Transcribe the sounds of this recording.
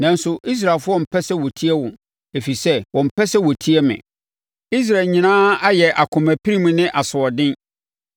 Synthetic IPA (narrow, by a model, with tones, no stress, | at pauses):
nã˨n̩˦sʊ˨ʔi˦s̬ɾa˨lfʊ˦ɔ˦˨m̩˨pʰɛ˦sɛ˦wɔ˨tʰi˦ɛ˦wʊ̃˨ | e˨fi˨sɛ˦wɔ̃˨m̩˨pʰɛ˦sɛ˦wɔ˨tʰi˦ɛ˦mɪ̰̃˨ | i˦s̬ɾa˨ɲĩ˨nãː˦a˦jɛ˨ʔa˨kʰʊ̃˨mæ˨pʰi˦ɾi˦mũ˦nɪ̃˦ʔa˨sʊ˨ɔ˨dɪ̃˦n